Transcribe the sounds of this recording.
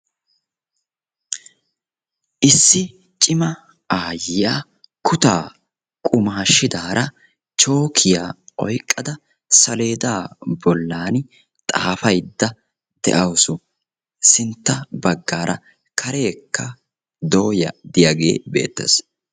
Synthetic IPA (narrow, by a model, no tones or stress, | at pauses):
ʔɪsːɪ | t͡ʃʼɪmɐ | aːjɪjaː | kʰʊt̪aː | kʼʊmaɐʃːɪd̪aːɾʔɐ | t͡ʃʼo̞ːkʰɪjaːʔɔ̰jkʼːɐd̪ɐ | sɐle̞ːd̪aːbɔlːaːn | t̪ʼaːfɐjd̪ːɐ | d̪̥ɛ̰ʔɐwsʊ | sɪnt̪ːɐbɐɡːaːɾʔɐ̰ | kʰɐɾe̞ːkːɐ | d̪o̞ːjɐ̰d̪ɪjaːɡe̞̰ːbe̞̰ːt̪ːḛs